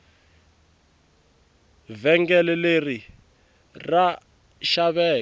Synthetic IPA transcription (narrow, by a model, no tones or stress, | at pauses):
vɛŋɡɛlɛleri | ra | ʃaβɛː